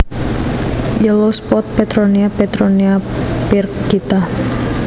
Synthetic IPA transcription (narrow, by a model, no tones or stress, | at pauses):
jəlospɔt̪̚pet̪ɾoniapet̪ɾoniapirkɡit̪a